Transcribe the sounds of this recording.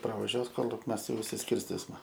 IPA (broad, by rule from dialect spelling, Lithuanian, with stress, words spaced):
prɐʋɐˈʒʲuɔs ˈkoːlʲɪk ˈmʲɛs ˈjɛʊ ɪʃʲsʲɪsʲˈkʲɪrʲsʲtʲɪsmɐ